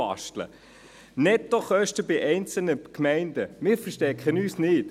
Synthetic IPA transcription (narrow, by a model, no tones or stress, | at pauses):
ɑ̰ʃtlə̰ | nɛt̪ːoχœʃtəbɪʔɛɪnt͡sl̩nəkmɛɪnd̥əmɪːɾfəʃtɛkʰχənyːsnɪːt